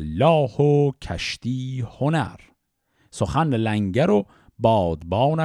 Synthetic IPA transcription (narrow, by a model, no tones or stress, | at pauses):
lːɒːhocʰæ̰ʃt̪iːhonæɾ | soχænlæŋɟæɾo | bɒːd̪bɒːnæ